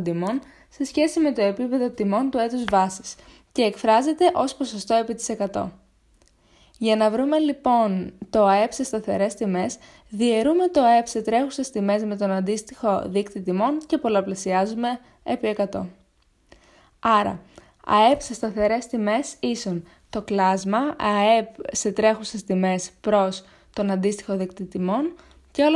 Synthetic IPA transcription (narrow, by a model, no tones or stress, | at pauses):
d̪imo̞n | se̞sçe̞sime̞t̪o̞e̞pipe̞ðo̞t̪imo̞nt̪ue̞t̪uzvɐsi̥s | ce̞ːkfɾɐze̞t̪e̞ʔo̞spo̞sost̪o̞e̞pit̪i̥se̞kɐt̪o̞̰ | ʝɐnɐvɾume̞lipo̞nt̪o̞ɐe̞psest̪ɐθe̞ɾe̞st̪ime̞s | ðie̞ɾume̞t̪o̞e̞pse̞t̪ɾe̞xusest̪ime̞zme̞t̪o̞nɐnd̪ist̪ixo̞ðikt̪it̪imo̞nce̞po̞lɐplesiɐzume̞ | epie̞kɐt̪o̞ | ɐɾɐ̰ | ɐ̰e̞pse̞st̪ɐθe̞ɾe̞st̪ime̞sison | t̪o̞klɐzmɐɐepse̞t̪ɾe̞xuse̞st̪ime̞spɾo̞s | t̪o̞nɐnd̪ist̪i̥xo̞ðikt̪it̪imo̞n | ceo